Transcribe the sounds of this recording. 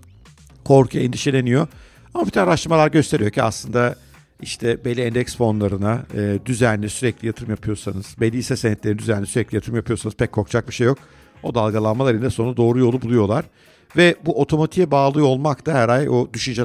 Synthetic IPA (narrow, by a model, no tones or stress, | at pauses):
kʰo̞ɾkʰjɛnd̪iʃe̞lʲe̞nijo̞ | amabit̪ʰanaɾaʃt̪ɯɾmalˠaɾɟø̞st̪eɾijo̞cʰæaslˠɯnd̪a | iʃt̪ʰɛbelʲːiɛnd̪ɛksfo̞nlˠaɾɯnaɯːd̪yzænlʲisyɾɛclʲijat̪ʰɯɾɯmjapʰɯjo̞ɾsanɯz̥belʲːiːsɛsenɛt̪lʲeɾnd̪yzænlʲisyɾɛclʲijat̪ʰɯɾɯmjapʰɯjo̞sanɯz̥pʰɛc̚kʰːo̞kt͡ʃʰak̚biʃejːo̞k | o̞d̪alˠɡalˠanmalˠaɾɯnd̪ɛso̞nd̪ad̪o̞ːɾujo̞lˠubulˠujo̞lˠaɾ̥ | vɛbuʔo̞t̪ʰo̞mot̪ʰijɛbaːlˠɯo̞lˠmakt̪ʰaɦɛɾajod̪yʃynd͡ʒɛ